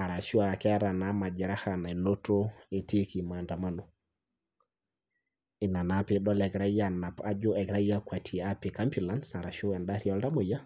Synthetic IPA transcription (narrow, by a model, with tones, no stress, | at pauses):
a˨ɾa˨ʃu˦a˨kɛ˦ɾa˨na˨ma˨d͡ʒɪ˨ɾa˦ha˨na˨no˦to˦e˨ti˦ki˨ma˨nda˨ma˦no˨ | ɪ˨na˨na˦pɪ˦ɗɔ˦lɛ˨kɾa˦ja˨na˨pa˦d͡ʒo˦ɛ˨kɾa˦ja˦kwa˨tʰi˨a˦pi˨ka˦mpu˨la˦nsa˨ɾa˨ʃo˦ɛ˨nda˦ɾi˦ɔ˦lda˦mo˨ja˦